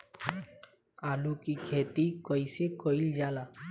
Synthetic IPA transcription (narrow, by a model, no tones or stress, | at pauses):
aːlukikʰeːt̪ikɔisekoild͡ʒaːlaː